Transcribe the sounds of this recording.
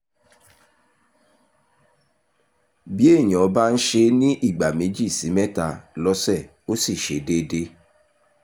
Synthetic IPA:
bi˦e˦˨ɲ̃ɔ̃˨˦ba˦n̩˦ʃe˧nĩ˦ʔi˦˨ɡ͡ba˨me˨˦d͡ʒi˦˨si˨˦mɛ˦ta˧lɔ˧˦sɛ˦˨ | o˦si˦˨ʃe˨˦de˦de˦

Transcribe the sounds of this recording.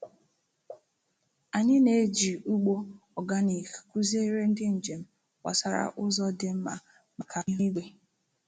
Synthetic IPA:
a˨ɲɪ˦ne˨˦d͡ʒi˨u˦ɡ͡bo˦ɔ˨ɡa˦ni˨kku˦ze˦ɾe˦n̩˦dɪ˦n̩˨d͡ʒe˨m̩˦ | wa̰˨sa˦ɾa̰˨ʔʊ˦zɔ˦dɪ˨m̩˦ma̰˨ | ma˨kʰa˨i˦i˦ɡ͡be˦

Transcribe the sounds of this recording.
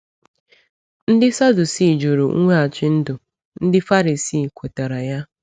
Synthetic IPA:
n̩˦dɪ˦sa˦du˨si˦˨d͡ʒu˨ɾṵ˨ŋ̩˦ŋʷe˦a˨t͡ʃɪ˦n̩˦dʊ˨ | n̩˦dɪ˦fa˦ɾi˨siː˦˨kʷe˨ta˨ɾa˨ja˦

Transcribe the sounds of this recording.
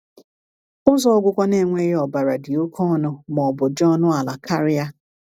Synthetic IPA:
ʊ˦zɔ˦ɡʷʊ˦kʷɔ˦ne˦˨ŋʷe˦ɔ˨ba˨ɾa˨dɪ˨o˦kʰɔ˦nʊ˨mɔ˨bʊ˨d͡ʒɔ˦nʊ˦a˨la˨ka˦ɾɪ˦a˦

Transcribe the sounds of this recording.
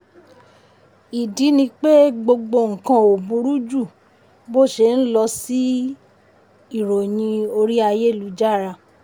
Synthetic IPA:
i˨di˨˦nĩ˧k͡pe˦ɡ͡bo˧ɡ͡bo˧ŋ̩˨kã˧o˨bũ˧˦ɾu˦d͡ʒu˦˨ | bo˦˨ʃe˧˨n̩˦lɔ˧si˦ | i˦˨ɾo˨j̃ĩ˧o˧ɾi˦a˧je˦˨lu˨˦d͡ʒa˦˨ɾa˧˨

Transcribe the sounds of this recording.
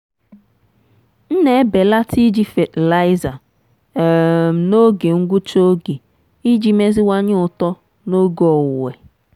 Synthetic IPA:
n̩˦ne˦e˦be˨la˦tʰi˦d͡ʒi˦fe˨tla˦ɪ˦za˨ | m̩˨no˦ɡe˨ŋ̩˦ɡʷʊ˦t͡ʃo˦ɡe˨ | i˦d͡ʒi˨me˦zi˦wa˦ɲɪ˦ʊ˨tɔ˦ | no˦ɡɔ˨wʊ˨we˨

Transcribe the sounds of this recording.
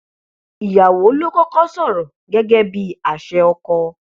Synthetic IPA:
i˨ja˨wo˨˦lo˦kɔ˦kɔ˦sɔ˦˨ɾɔ˨ | ɡɛ˦ɡɛ˦bi˦a˨ʃɛ˧ɔ˧kɔ˧

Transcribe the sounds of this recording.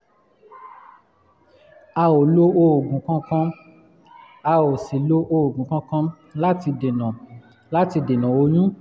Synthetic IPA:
a˧o˨lo˦o˧˦o˨ɡũ˨˦kã˦kã˧ | a˧o˨si˨lo˦ʔo˧o˨ɡũ˨˦kã˧˦kã˧ | la˦ti˧de˨nã˨ | la˦ti˧de˨nã˨o˧ɲ̃ũ˦

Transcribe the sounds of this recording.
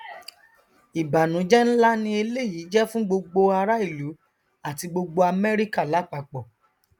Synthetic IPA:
i˨ba˨nũ˨˦d͡ʒɛ˦n̩˦la˦nĩ˧e˧le˦˨ji˨˦d͡ʒɛ˦fũ˦ɡ͡bo˧ɡ͡bo˧a˧ɾa˦i˦˨lu˨˦ | a˦˨ti˧ɡ͡bo˧ɡ͡bo˧a˧mɛ˦ɾi˦ka˦˨la˨˦k͡pa˧˨k͡pɔ˨

